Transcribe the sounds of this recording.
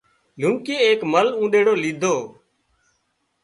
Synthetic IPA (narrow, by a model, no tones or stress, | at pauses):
lũŋkeːeːkməlũːɗ̪eːɽoːliːd̪ʱoː